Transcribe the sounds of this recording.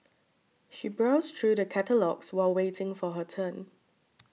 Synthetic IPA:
ʃibɹaʊstʰɹudəkʰætəlɔɡswaɪlwetʰɪ̃ŋfɔɦətʰə̃n

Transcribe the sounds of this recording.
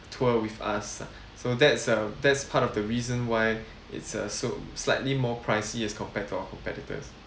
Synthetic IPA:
tʰəwifa̰sː | odɛtsadɛtspʰatɔfdəɹizə̃nwaɪ | ɪ̰tsʌ̰soslaɪtlimɔpʰɹaɪsiɛskʰɔ̃mpɛtʰːuaʊəkʰɔ̃mpɛtitə̰s

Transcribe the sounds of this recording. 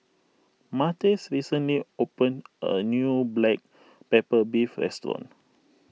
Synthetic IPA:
matisɹisə̃nliopə̃nʔə̰njublɛk̚ | pepəbifɹɛ̰stɹɔ̰̃n

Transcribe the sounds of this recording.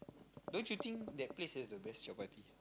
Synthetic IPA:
dõnsjut̪ĩŋkdɛt̚plesɛsdəbɛstjɔpat̪i

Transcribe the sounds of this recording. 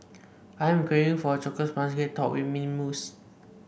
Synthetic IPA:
ʔajɛ̃mkɹeĩŋfɔət͡ʃɔkəspãns̬ɡetʰːɔ̰ʔwimĩnmus

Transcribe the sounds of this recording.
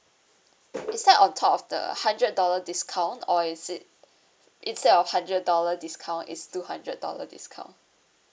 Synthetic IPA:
itsdɛtɔ̃ntʰɔpɔfdə̰hãndɹət̚dɔlədiskʰãw̃ntɔisit̚ | ʔĩnstɛdɔfhãndɹət̚dɔlədiskʰãw̃ntḭtstuhãndɹət̚dɔ̰lə̰dḭskʰã̰ʊ̃n

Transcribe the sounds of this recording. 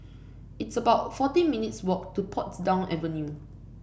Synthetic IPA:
itsəbaʊtfɔtĩnminitswɔk̚tupʰɔtsdãʊ̃nʔɛ̰və̃nju

